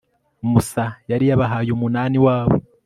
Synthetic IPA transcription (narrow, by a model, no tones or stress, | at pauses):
musajaɾijaβaɦaːjumunaːniwaːβo̰